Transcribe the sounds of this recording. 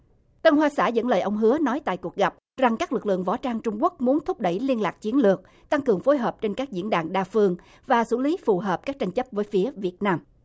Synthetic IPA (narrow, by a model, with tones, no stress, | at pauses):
t̪ə˧nɦwaː˧sa̰ː˧˩zə̰˧˥nləː˨jʔə˧wŋ͡mɦɨ˨˦ənɔ˨˦jt̪a̰ː˧˨jku˨˩ək̚ɣa˨˩p̚ | za˨˩ŋkaː˦˥k̚lɨ˨˩k̚lɨ̰˧˨əŋvɔ̰˧˩t͡ɕaː˧ŋt͡ɕʊ˧ŋ͡mku˦˥ək̚mu˨˦ənt̪ʰʊ˦˥p̚ɗə̰˧˩jli˧ənlaː˨˩k̚t͡ɕi˨˦ənlɨ˨˩ək̚ | t̪a˧ŋkɨ˨˩əŋfo˨˦jɦəː˨˩p̚t͡ɕe˧nkaː˦˥k̚zḭ˧˥ənɗaː˨˩ŋɗaː˧fɨ˧əŋ | vaː˨˩sṵ˧˩li˨˦fu˨˩ɦəː˨˩p̚kaː˦˥k̚t͡ɕa˧jŋ̟t͡ɕə˦˥p̚vəː˨˦jfi˨˦əvi˨˩ət̚naː˧m